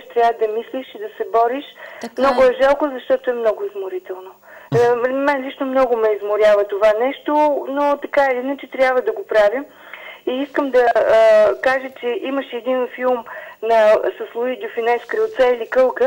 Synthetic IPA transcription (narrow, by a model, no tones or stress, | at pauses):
ʃt̪ɾʲjavəd̪ɐmisliʃid̪ɐsɛbɔɾiʃmnɔɡʊɛʒalˠkozɐʃt̪ɔt̪oɛmnɔɡʊizmʊɾit̪ɛlˠno | mɛnlit͡ʃnomnɔɡʊmɛizmʊɾʲjavɐt̪ovanɛʃt̪onot̪ɐkaɛliinət͡ʃɛt̪ɾʲjabvəd̪ɐɡopɾavim | iiskəmd̪ɐ | kaʒət͡ʃɛʔiməʃɛɛd̪infilˠmnɐsəslˠʊid̪ʲʊfinɛskɾəlt̪sɛilikɤlˠkə